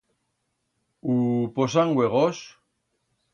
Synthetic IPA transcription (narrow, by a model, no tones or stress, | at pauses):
upos̬aŋɡweɣos